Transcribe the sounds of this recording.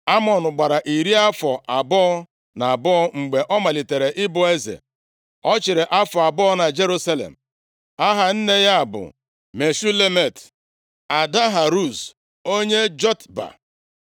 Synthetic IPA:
a˦mɔ˨nʊ˨ɡ͡ba˨ɾa˨ʔi˨ɾi˦a˦fɔ˨ʔa˨bɔ˦ɔ˦ | na˨a˨bɔ˦ɔ˦ŋ͡m̩˨ɡ͡be˨ʔɔ˦ma˨li˨te˨ɾe˨ʔɪ˦bʊ˨e˦zḛ˨ | ɔ˦t͡ʃɪ˨ɾe˨ʔa˦fɔ˨a˨bʊ˦ɔ˦na˨d͡ʒe˦ɾu˦sa˦lḛ˨m̩˨ | a˦ɦa˨n̩˦ne˦ja˦a˨bʊ̰˨ | me˨su˦le˦me˨t | a˨da˦ɦa˨ɾu˦˨s | o˦ɲe˦d͡ʒɔ˦tba̰˨

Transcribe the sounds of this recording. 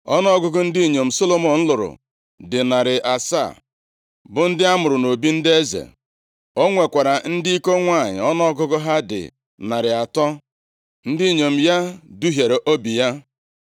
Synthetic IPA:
ɔ̰˦nɔ˦ɡʊ˦ɡʊ˦n̩˦di˦i˨ɲo˨m̩˨so˦lo˨mɔ˨n̩˦lʊ˨ɾʊ̰˨ | dɪ˨na˨ɾɪ˨ʔa˨sa̰˦˨ | bʊ˨n̩˦dɪ˦a˦mʊ˨ɾʊ˨no˨bi˦n̩˦dɪ˦e˦zḛ˨ | o˦ŋʷe˨kʷa˨ɾa˨n̩˦dɪ˦i˦ko˦ŋʷa˦˨ɲɪ̰˨ɔ˦nɔ˦ɡʊ˦ɡʊ˦ɦa˦dɪ̰˨ | na˨ɾɪ˨a˨tɔ˦ | n̩˦di˦˨ɲo˨m̩˨ja˦du˦ɦje˨ɾe˨ʔo˦bi˨ja˦

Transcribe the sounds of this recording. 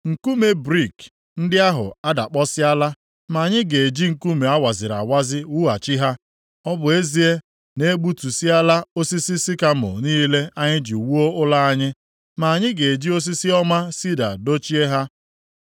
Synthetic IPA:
ŋ̩˨ku˦me˨bɾi˦˨k | n̩˦dɪ˦a˦ɦʊ̰˨a˦da̰˨k͡pɔ˦sɪ˦a˦la˦ | ma˨ɲɪ˦ɡe˨e˨d͡ʒi˦ŋ̩˨ku˦me˨a˦wa˨zɪ˨ɾa̰˨wa˦zɪ˦wu˦a˨t͡ʃi˦ɦa˦ | ɔ˦bʊ˨e˦zi˦e˦ | ne˦ɡ͡bu˦tu˨si˦a˦la˦o˦si˦si˦sɪ˦ka˦mʊ̰˨niː˦le˦ʔa˦ɲɪ˦d͡ʒi˨u˨wu˦o˦ʊ˦la˦a˦ɲɪ˦ | ma˨a˨ɲɪ˦ɡe˨d͡ʒi˦o˦s̬i˦si˦ɔ˦ma˦si˦da̰˨do˦t͡ʃi˦e˦ɦa˦

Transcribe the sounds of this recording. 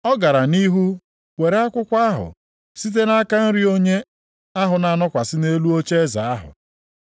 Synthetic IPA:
ɔ˦ɡa˨ɾa˨ni˦ɦu˦ | we˨ɾe˦a˦kʷʊ˦kʷa˦ɦʊ̰˨ | si˦t̬e˦na˦ka˦n̩˦ɾi˦o˦ɲe˦ | a˦ɦʊ˨na˨a˨nɔ˦kʷa˨sɪ˦ne˦lu˦o˦t͡ʃe˦za˨a˦ɦʊ̰˨

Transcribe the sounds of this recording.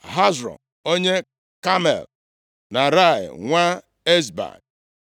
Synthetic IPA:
ɦa˦zɾɔ̰˨ | o˦ɲe˦ | ka˦mḛ˨l | na˨ɾa˦˨ɪ̰˨ŋʷa˦ | e˦zba̰˨n

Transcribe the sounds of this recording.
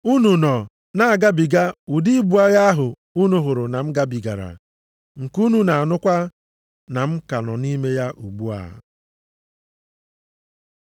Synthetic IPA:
u˦nu˨nɔ˨ | na˨a˨ɡa˦bi˨ɡa˦u˨di˦bu˨˦a˦ɣa˦a˦ɦʊ˨ | u˦nu˨ɦʊ˨ɾʊ˨na˨m̩˦ɡa˦bi˨ɡa̰˨ɾa̰˨ | ŋ̩˨ku˦nu˨na˨a˨nʊ˦kʷa˦ | na˨m̩˦ka˨nɔ˨ni˦me˦ja˦ʔu˨ɡ͡bu˦a̰˨

